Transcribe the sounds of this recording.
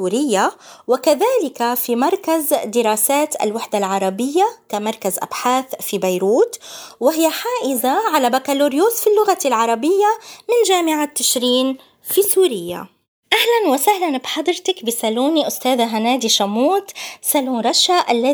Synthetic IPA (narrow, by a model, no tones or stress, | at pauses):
uːɾɪjːawɪkaðaːlɪkafimɑɾˤkazd̪ɪɾɑːsaːt̪ʔa̰lwaħd̪alʕɑɾˤɑbɪjːakamɑɾˤkazʔa̰bħaːθfibajɾuːt̪wɪhɪjːaħaːʔɪzaʕalabakaluːɾjuːsfilːʊɣalʕɑɾˤɑbɪjːamɪnʒaːmɪʕat̪ːɪʃɾiːn | fisuːɾɪjːa̰ | ʔahlanwɪsahlanbħɑd̪ˤɾt̪akbɪsaluːniʔʊst̪aːðaɦanaːd̪iʃamuːt̪saluːnɾˤɑʃaʔalːa